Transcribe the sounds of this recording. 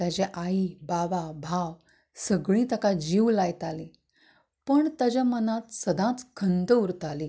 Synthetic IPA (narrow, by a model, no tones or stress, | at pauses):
t̪jad͡ʑeʔaibaʋabʱaʋ | səɡɭĩt̪əkad͡ʑiwlajt̪ali | pəɳt̪əd͡ʑamənãt̪səd̪ʱãt͡skʰənd̪əuɾt̪ali